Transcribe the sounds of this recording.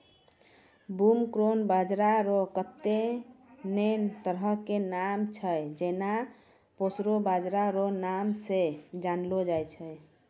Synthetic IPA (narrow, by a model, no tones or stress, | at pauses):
bumkɾonbad͡ʒɾaɾokət̪ːe | nent̪əɾɦəkenamt͡ʃʰəjd͡ʒena | posɾobad͡ʒɾaɾonamsed͡ʒanlod͡ʒajt͡ʃʰəj